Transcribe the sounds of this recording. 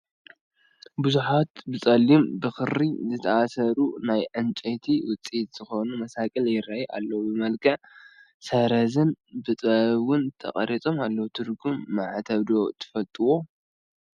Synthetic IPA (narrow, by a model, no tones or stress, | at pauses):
buzuħat̪bɨt͡sʼɐlːimbɨxɨɾizɨt̪ʰɐasɐɾunajʕɨnt͡ʃʼɐt̪ʰiwʊt͡sʼit̪z̥ɨxo̞numɐsakʼɨljɪrajʔa̰lːɐwubɨmɐlkʰɐʕ | sɐɾɐzɨnbɨt͡s̪ʼɐwʊnt̪ʰɐ̰χʼɐ̰ɾit͡sʼo̞malːɐwt̪ʰɨɾɡumːaʕat̪ʰɐβd̪o̞t̪ʰɨ̥fɐlt̪ʼɨwo̞